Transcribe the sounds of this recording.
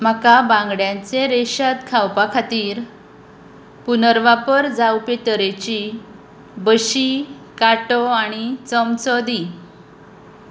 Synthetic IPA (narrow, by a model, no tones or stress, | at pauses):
m̤əkabãŋɡɽjãt͡seɾeɕat̪kʰawpakʰat̪iːɾ | punəɾʋapəɾd͡zawpet̪əɾet͡ɕi | bəɕi | kaʈɔaɽ̃it͡səmt͡sɔd̪i